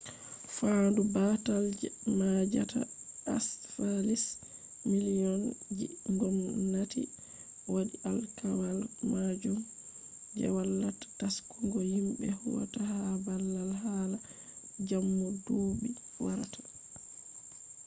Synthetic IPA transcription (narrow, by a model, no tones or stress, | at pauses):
faːndubatald͡ʒɛmad͡ʒa̰ta̰asfalis | milijɔnd͡ʒiŋɡɔmnatḭ | wadialkawalmad͡ʒum | d͡ʒɛ̰walːatḁtaskuŋɡɔhimɓɛhṵwa̰tahaabalːalɦala | d͡ʒamːɔdoːbi | waɾatʰḁ